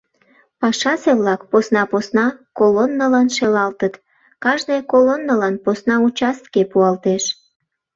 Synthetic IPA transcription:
pɑʃɑseβlɑkposnɑposnɑkolonːəlɑnʃelɑlt̪ət̪ | kɑʒnejkolonːəlɑnposnɑut͡ɕɑst̪kepuɑlt̪eʃ

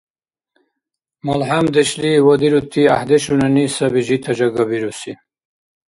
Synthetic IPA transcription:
molɦamd̪eɕliwɐd̪iɾut̪ʰːia̰hd̪eɕunanisabiʑit̪ʰɐd͡ʑaɡabiɾusi

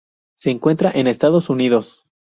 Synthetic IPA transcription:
se̞ːŋkwe̞nt̪ɾaʔe̞ne̞st̪aðo̞suniðo̞s

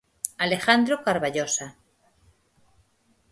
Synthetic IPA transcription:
alexand̪ɾokaɾβaʎosa

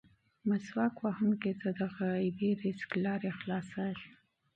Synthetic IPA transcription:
maswɑkwɑhumket̪əd̪aɣajbeɾɪsklɑɾexlɑsaʃ

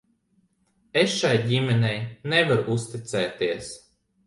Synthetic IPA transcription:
esʃajɟʲimʲɛnʲɛjnɛvaɾuʔust̪it̪sɛːt̪iɛs

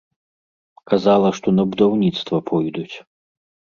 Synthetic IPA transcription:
kazalˠɐʂt̪ɔnɐbud̪awnʲit̪st̪vɐpʰɔjd̪ut͡sʲ

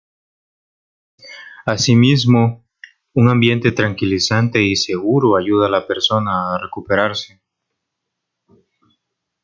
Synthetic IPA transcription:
asimizmo̞ | uŋambje̞nt̪e̞t̪ɾaŋkilisant̪e̞ise̞ɣuɾoaʝuðalape̞ɾso̞naːre̞kupe̞ɾaɾse̞

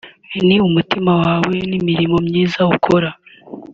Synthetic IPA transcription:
iniumutimawaːwe̞nimiɾimo̞mɲiːzaukʰo̞ɾa

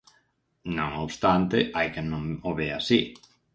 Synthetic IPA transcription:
nõŋoβst̪ant̪eʔajkenõmoβeasi

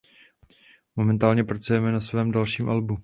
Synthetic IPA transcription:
momɛnt̪aːlɲɛpɾat͡sujɛmɛnasvɛːmdalʃiːmʔalbu

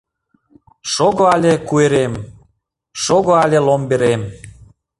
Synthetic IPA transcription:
ʃoɣoɑlʲekueɾem | ʃoɣoalʲelombeɾem

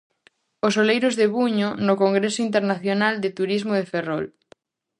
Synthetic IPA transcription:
osolejɾozðeβuɲonokoŋɡɾesoint̪eɾnaθjonald̪et̪uɾizmoð̞eferɔl

